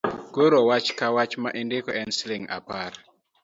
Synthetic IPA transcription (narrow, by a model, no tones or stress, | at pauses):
ɡoɾowat͡ʃkawat͡ʃmaʔindɪkɔɛnslɪŋa̰par